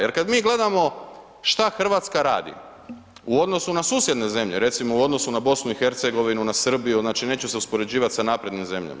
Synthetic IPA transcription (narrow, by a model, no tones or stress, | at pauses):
je̞ɾkad̪miːɡle̞d̪amo̞ | ʃt̪axr̩ʋat̪skaɾa̰ːd̪ḭ | uo̞d̪no̞sunasuːsje̞d̪ne̞ze̞mʎe̞̰ɾe̞t̪simouo̞d̪no̞sunabo̞snuixe̞ɾt̪se̞ɡo̞ʋinunasr̩bijuznaːt͡ʃine̞ːt͡ɕuse̞uspo̞ɾe̞d͡ʑiːʋat̪sanaːpɾe̞d̪nimze̞mʎa̰ma